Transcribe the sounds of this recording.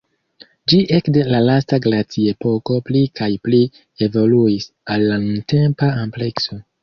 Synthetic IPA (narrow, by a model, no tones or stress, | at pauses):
d͡ʒiʔe̞kde̞lalastaɡlat͡siepo̞ko̞plikʰajpli | e̞vo̞luis | alːanunte̞mpaample̞kso̞